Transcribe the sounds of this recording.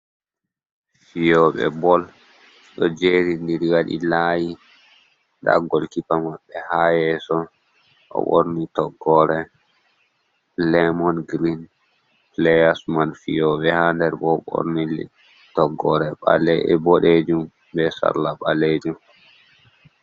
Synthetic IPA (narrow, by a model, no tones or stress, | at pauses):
fijɔɓɛ̰bɔl | ɗɔd͡ʒeɾindiɾwaɗḭlaːji | ɗa̰ɡːɔlkipamaɓːɛhajɛsɔ | ʔɔ̰ɓo̰ɾnitɔɡːɔɾɛ | lɛmɔnɡɾin | plɛjasmanfijɔɓɛhandɛɾbɔɓo̰ɾni | tɔɡːɔɾɛɓa̰lɛɛbɔɗed͡ʒum | bɛsa̰ɾlaɓaled͡ʒum